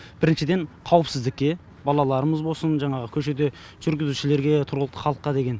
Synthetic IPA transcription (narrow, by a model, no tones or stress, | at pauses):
b̥ɪɾɪnʃɪd̪e̞ɴqʰɑwəpsɪzd̪ɪkʲːe̞ | bɑlˠɑlˠɑɾəməzbosənʒɑɴɑʁəkʲʰɵʃe̞d̪e̞ | ʒ̥ʏɾɡʲɪzuʃɪle̞ɾɡʲe̞t̪ʰʊɾʁələqt̪ə̥χɑlˠəqːɑd̪e̞ɡʲe̞n